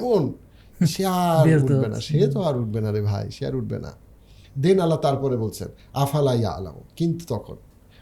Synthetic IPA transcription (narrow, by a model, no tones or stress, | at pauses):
kon | ʃeaɾubena̰ʃet̪oaɾuʈ̚benaɾebʱa̰jʃea̰ɾuʈ̚bḛna̰ | d̪inalat̪aɾpɔɾebolt͡ɕʰḛn | afʰalaja̰a̰la̰o̰kint̪u̥t̪ɔkʰo̰n